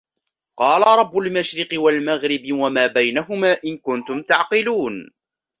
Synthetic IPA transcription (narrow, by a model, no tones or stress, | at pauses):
qɑːlaɾˤɑbːʊlmaʃɾɪqɨwalmaɣɾɪbwamaːbajnaɦʊmaːʔɪnkʊnt̪ʊmt̪aʕqɪluːn